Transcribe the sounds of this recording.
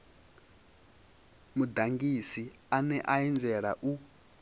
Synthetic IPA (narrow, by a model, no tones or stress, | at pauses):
mud̪aŋɡisi | anɛʔaɛnd͡zɛɺa̰ʔu